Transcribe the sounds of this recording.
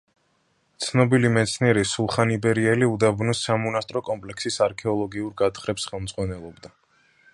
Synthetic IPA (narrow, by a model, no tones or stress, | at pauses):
t̪sʰnɔbilimɛt̪sʰniɛɾisulˠχanibɛɾiɛliud̪abnɔsamɔnast̪ʼɾɔkʼɔmpʼlɛksisaɾkʰɛɔlˠɔɡiuɾɡat̪χɾɛpsχɛlˠmd̪z̥ʁwanɛlˠɔbd̪a